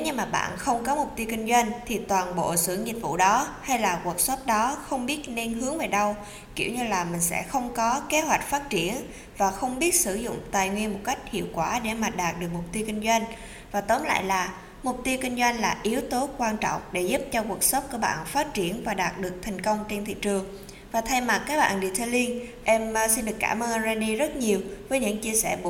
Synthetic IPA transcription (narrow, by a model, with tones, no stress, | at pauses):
e˨˦ɲɨ˧ŋmaː˨˩ɓa̰ː˧˨nxə˧wŋ͡mkɔ˨˦mʊ˨˩k͡p̚t̪i˧wkï˧ŋ̟zwa˧ŋ̟t̪ʰi˨˩t̪waː˨˩nɓo̰˧˨sɨ̰˧˩əŋɲi˨˩t̚vṵ˧˨ɗɔ˨˦ha˧jlaː˨˩ku˨˩ək̚sə˦˥p̚ɗɔ˨˦xə˧wŋ͡mɓi˦˥ət̚ne˧nhɨ˨˦əŋve˨˩ɗə˧w | ki˧˩əwɲɨ˧laː˨˩mï˨˩ŋ̟sɛ̰˧˥xə˧wŋ͡mkɔ˨˦ke˨˦ɦwa˨˩jk̟̚faː˦˥t̚t͡ɕi˧˩ən | vaː˨˩xə˧wŋ͡mɓi˦˥ət̚sɨ˧˩zʊ̰˧˨ŋ͡mt̪aː˨˩jŋwi˧ənmo˨˩t̚ka˦˥jk̚hḭ˧˨əwkwaː˧˩ɗe˧˩maː˨˩ɗaː˨˩t̚ɗɨ˨˩ək̚mʊ˨˩k͡p̚t̪i˧əwki˧ŋ̟zwa˧jŋ̟ | vaː˨˩t̪o˨˦nla̰ː˧˨jlaː˨˩ | mʊ˨˩k͡p̚t̪i˧əwkï˧ŋ̟zwa˧jŋ̟laː˨˩ʔi˨˦əwt̪o˨˦kwaː˧nt͡ɕɔ̰˧˨wŋ͡mɗe˧˩zu˦˥p̚t͡ɕɔ˧ku˨˩ək̚sə˦˥t̚ku˧˩əɓa̰ː˧˨nfaː˦˥t̚t͡ɕi˧˩ənvaː˨˩ɗaː˨˩t̚ɗɨ˨˩ək̚t̪ʰɛ˨˩jŋ̟kə˧wŋ͡mt͡ɕe˧nt̪ʰḭ˧˨t͡ɕɨ˨˩əŋ | vaː˨˩t̪ʰa˧jma˨˩kːaː˦˥k̚ɓa̰ː˧˨nɗi˨t̪ʰə˧li˧nʔɛ˧msi˧nɗɨ˨˩ka̰ː˧˩məː˧nzaː˧ɗi˧zə˦˥t̚ɲi˨˩əwvəː˨˦jɲɨ̰˧˥ŋt͡ɕi˧əsɛ̰˧˩ɓ